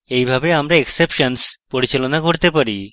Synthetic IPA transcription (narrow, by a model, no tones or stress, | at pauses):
ejbʱabeamɾaeksepʃanspoɾit͡ɕelonakoɾt̪epaɾi